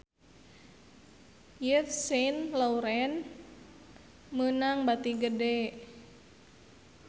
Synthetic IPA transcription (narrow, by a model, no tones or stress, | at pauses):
jətsenlauɾɛn | mənaŋbat̪iɡədɛ